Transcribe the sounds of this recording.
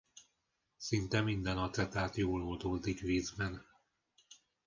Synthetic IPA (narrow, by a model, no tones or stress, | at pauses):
sint̪ɛmind̪ɛnɒt̪ɛt̪aːt̪joːlold̪oːld̪ikʋiːzbɛn